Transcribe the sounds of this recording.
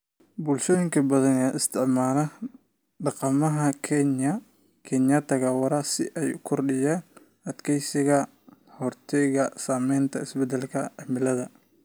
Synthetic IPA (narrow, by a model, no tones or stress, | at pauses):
buːlʃɔːjɪŋkʰɐbɐðɐnɛːʔɪst̪ʰɪʕmaːlɐ | ɖɑqɑmɐɦɐkʰɛnjɐ | kʰɛnjɐt̪ʰɐɣaːwɐɾɐsɪʔɛjʊkʰʊrɖɪjaːn | ʔɐd̪kʰɛjsɪɣɐ | hɔrt̪ʰɛɣɐsaːmɛjnt̪ʰɐɪsbɛd̪ɛlkʰɐʕɛmɪlɐðɐ